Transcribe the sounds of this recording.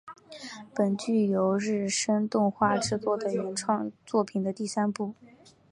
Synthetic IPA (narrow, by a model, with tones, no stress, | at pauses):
pə˨˩nt͡ɕy˥˩jo˧˥ʊɻɻ̩˥˩ʂə˥nt̪ʊ˥˧ŋxwa˥˧ʈ͡ʂɻ̩˥˧t͡swɔ˥˩d̪ə˩jɛ˧˥nʈ͡ʂʰwɑ˥˧ŋt͡swɔ˥˩pʰi˨˩nd̪ə˦t̪i˥˩sa˥npu˥˩